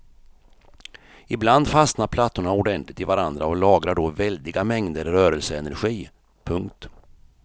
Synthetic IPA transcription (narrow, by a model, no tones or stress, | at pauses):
ɪbland̪fasnaɾpʰlat̪ːʊɳaʊɖɛnt̪lɪt̪ɪvaɾand̪ɾaɔlɑːɡɾaɖɔvɛld̪ɪɡamɛŋd̪əɾːœːɾɛlsəɛnæɾɧiː | pʰɵŋkt̪